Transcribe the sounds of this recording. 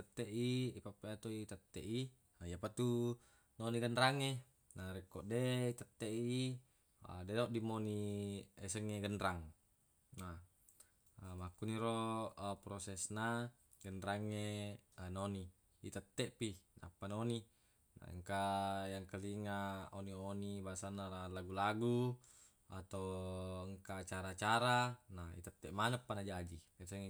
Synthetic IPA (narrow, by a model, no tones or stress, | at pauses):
t̪ət̪ːeʔiipapːeat̪oit̪ət̪ːɛʔi | japat̪u | noniɡənɾaŋe | naɾɛkːoʔdeit̪ət̪ːeʔiḭ | dedoʔdimoniesəŋːeɡənɾaŋ | na | makːuniɾopɾosɛsna | ɡənɾaŋːenoni | it̪ət̪ːɛʔpina̰pːanoni | na̰ə̰ŋkajaŋkaliŋaonionibasanːalalaɡulaɡu | at̪owəŋkat͡ʃaɾat͡ʃaɾanaḭt̪ət̪ːɛʔmanəpːanad͡ʒad͡ʒi | esəŋe